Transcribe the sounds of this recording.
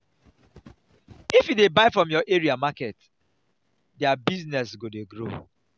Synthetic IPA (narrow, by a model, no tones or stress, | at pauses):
ifjudebaɪfɹɔ̃mjɔʔeɹiamakɛt | dɛabiznɛsɡodeɡɾo̰